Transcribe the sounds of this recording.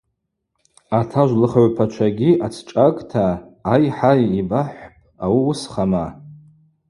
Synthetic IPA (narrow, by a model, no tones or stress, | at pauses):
atʰaʒʷlɨχaʕʷpʰat͡ʃʷʰaɡʲiat͡sʰʈ͡ʂʼakʼtʰaːjħajibaħʷpʼawiwusχama